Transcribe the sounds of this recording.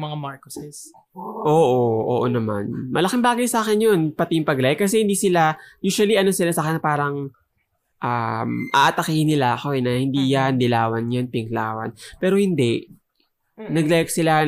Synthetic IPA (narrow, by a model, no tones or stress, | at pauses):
mɐŋamaɹkosɪs | ʔoːʔoʔo̰ːʔonɐma̰nmɐlɐkɪmbaːɡɐjsaːkɛnjo̞npɐt̪ijʊŋpɐɡlajkːɐs̬ɛhɪnd̪iːsɪlajuːʃwɐliʔɐno̞sɪlasaːxɛnɐpaːɾɐŋ | ʔamʔa̰ːʔɐt̪ɐkiːhɪnːɪlaʔɐko̞ɛnɐhɪnd̪iːjand̪ɪlaːwɐnjonpɪkla̰ːwɐ̰npɛːɾo̞hɪnd̪ɛʔ | nɐɡlajksɪla